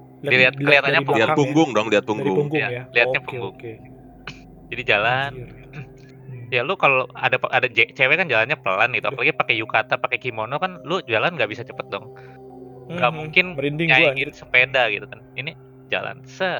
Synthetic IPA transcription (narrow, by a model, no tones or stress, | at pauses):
diliat̪̚kəliɦat̪anɲapulapuŋɡʊŋdɔŋliat̪̚puŋɡʊŋɡjaliat̪̚ɲapuŋɡʊŋ | d͡ʒadid͡ʒalan | jalʊkaloa̰dapadad͡ʒet͡ʃewekand͡ʒalanɲapəlanɡit̪uapalaɡipakɛjukat̪apakekimonokanlʊd͡ʒalanɡaʔbisat͡ʃəpət̪̚dɔŋ | ɡalouŋkɪnɲaikɪnsəpedaɡit̪ukanini | d͡ʒa̰la̰nsə